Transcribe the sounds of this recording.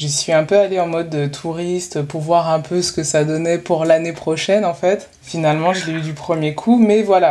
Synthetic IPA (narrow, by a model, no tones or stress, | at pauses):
ʒəsɥiɛ̃pøaleɑ̃mɔd̪ːət̪ʰuʁist̪puʁvwaʁɛ̃pʰøsə̥kəsad̪ɔnɛpuʁlanepχɔʃɛnɑ̃fɛt̪ | finalmɑ̃ʒəlɛyd̪ypχəmjekʰumɛvwala